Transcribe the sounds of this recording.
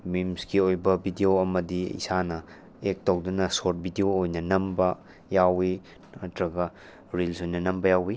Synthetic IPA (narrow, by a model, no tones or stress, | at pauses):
mimskiojbɐbʱidioɐmɐdiḭsanɐ | ek̚towdunɐsot̚bʱidioːjnɐnɐmbɐ | jawi | ɐtɾɐɡɐ | ɾilsojnɐnɐmbɐjawi